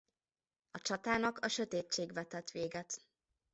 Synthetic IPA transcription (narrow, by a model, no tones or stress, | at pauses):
ɒt͡ʃɒt̪aːnɒkʰɒʃø̞t̪eːt͡ʃːeːɡvɛt̪ɛt̪ʋeːɡɛt̪